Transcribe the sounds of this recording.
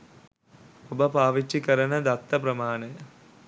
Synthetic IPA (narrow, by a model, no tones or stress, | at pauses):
obəpaːʋit͡ʃːikəɾənəd̪at̪ːɐpɾɐmaːnɐjə